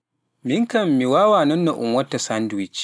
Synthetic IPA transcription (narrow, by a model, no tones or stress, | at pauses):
mɪŋkɐmːiwaːwaːnɐnːaʔʊ̰mwɐtːasandwɪt͡ʃ